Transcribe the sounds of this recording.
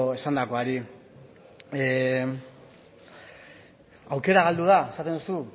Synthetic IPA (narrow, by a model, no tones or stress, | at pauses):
e̞sand̪ako̞aɾi | awke̞ɾaɣald̪uð̞ae̞sat̪end̪usu